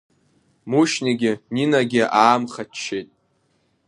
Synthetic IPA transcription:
muʃniɡʲɪninaɡʲɪʔaːmχat͡ʃʰːejtʼ

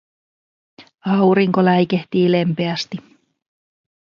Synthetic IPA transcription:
ɑwɾiŋko̞læjkeht̪iːle̞mpe̞æst̪i

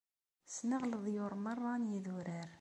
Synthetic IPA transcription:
snəʁləðˤjʊɾˤmərˤːɑnjiðʊɾæɾ

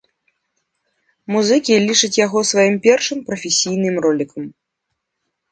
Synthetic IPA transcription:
muzɨkʲilʲit͡ʂɨt͡sʲjaɣɔsvajimpʲɛrʂɨmpɾɐfʲesʲijnɨmrɔlʲikɐm

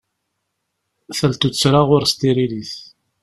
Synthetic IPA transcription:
θəlt̪ut͡sːɾaʁʊɾst̪iɾiliθ

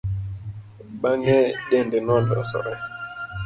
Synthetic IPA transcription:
ɓaŋɛɗɛndɛnɔndɔ̰sɔ̰ʔɛ

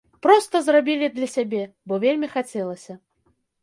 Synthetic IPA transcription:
pɾɔst̪ɐzrabʲilʲid̪lʲɐsʲabʲɛ | bɔvʲelʲmʲixat͡sʲɛlˠɐsʲɐ

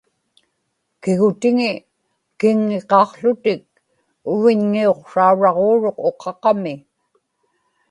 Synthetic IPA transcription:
kɪɣʊt̪ɪŋɪ | kɪŋːeqɑːqɬʊt̪ɪk̚ | ʊvɪɲŋio̞qʂauɻɑʁoːɻo̞qo̞qʰɑqɑmɪ

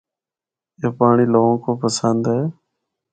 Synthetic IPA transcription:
eːpaːɳiːloːɦõːkoːpəsənd̪eː

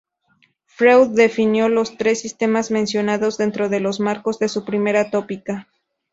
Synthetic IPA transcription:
fɾewððe̞finjo̞lo̞st̪ɾe̞sːist̪e̞mazmẽnsjo̞naðo̞zðe̞nt̪ɾo̞ðe̞lo̞zmaɾko̞zðe̞supɾime̞ɾat̪o̞pika

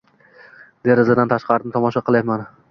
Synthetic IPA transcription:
d̪e̞ɾɪzad̪ant̪ʰaʃqɑɾɪnɪt̪ʰɒmɒʃɑqʰɨlˠaman

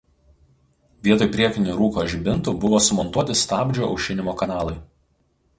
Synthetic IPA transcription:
ʋʲiɛt̪oːjpʲɾʲiɛk̪ʲɪnʲʊɾuːkoːʒʲbʲɪnˑt̪uːbʊʋoːsʊmɔnt̪uɔt̪ʲɪst̪ɑːbʲd͡ʒʲoːʔɒ̰ʊʃʲɪnʲɪmoːkɐnɑːlˠɐɪ

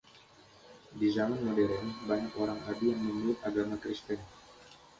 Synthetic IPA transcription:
dizamanmodeɾɛnbaɲakoɾaŋadijaŋməmuɪt̪aɡamakɾist̪ɛn

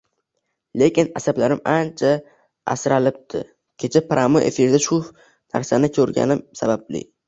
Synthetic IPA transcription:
le̞kʲɪnasablaɾɪmant͡ʃʰa | a̰sɾalɪp̚t̪ʰɪ̰ | kʲʰe̞t͡ʃʰapɾʔamoʔḛfɪɾd̪aʃʊ | na̰ɾsanɪkʰɵɾɡʲa̰nɪmsabablɪ̰

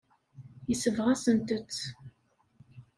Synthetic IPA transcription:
jəsəvʁasənt̪ət͡sː

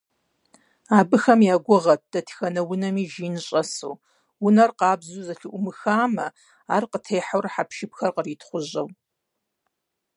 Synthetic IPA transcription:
aːbɨxɐmjaːɡʷʊʁɐt̚d̥ɐtʰxɐnɐwʊnɐmiːʒiːnɨɕʼɐsṵː | wʊnɐrqɑːbzuzɐɬɨʔʷʊmɨxaːmɐ | a̰ːrqətʰeːħawrħapʰʃɪpxɐrqəriːtʰχʷʊʑɐw

